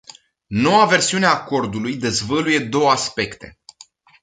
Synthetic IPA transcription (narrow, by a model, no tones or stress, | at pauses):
no̞wave̞rsiuneaːko̞rd̪ulujd̪e̞zvəluje̞d̪o̞wəaspe̞kt̪e̞̰